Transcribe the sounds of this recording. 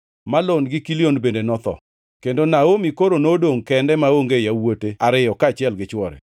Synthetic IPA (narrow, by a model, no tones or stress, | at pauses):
malonɡɪkilionbendenɔt̪ɔ̰ | kendonaomikoɾonodoŋkɛndɛmaoŋɡejawoteaɾɪjɔkat͡ʃɪɛlɡɪt͡ʃwɔɾɛ̰